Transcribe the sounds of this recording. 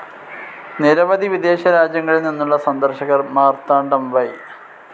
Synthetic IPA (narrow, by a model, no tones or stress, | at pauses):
niɾɐʋɐd̪iʋid̪e̞ːɕɐɾaːd͡ʑjɐŋːɐɭilninːuɭːɐsɐnd̪ɐrɕɐɣɐrmaːrt̪aːɳɖɐmʋɐj